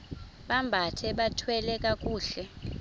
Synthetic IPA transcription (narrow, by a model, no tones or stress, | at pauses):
ɓambʱatʰɛɓatʰwɛlɛk̬ʼak̬ʼuːɬɛ